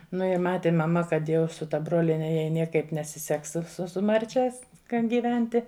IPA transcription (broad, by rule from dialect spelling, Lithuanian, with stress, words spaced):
nʊ ɪ ˈmɑːtʲɪ mɐˈmɐ kɐt ˈjɛʊ sʊ tɐ ˈbroːlʲiɛnʲɛ jɛɪ ˈnʲiɛkɐɪp nʲɛsʲɪˈsʲɛks sʊ sʊ sʊ ˈmɐrʲt͡ʃʲɛs kɐn ɡʲiːˈʋʲɛnʲtʲɪ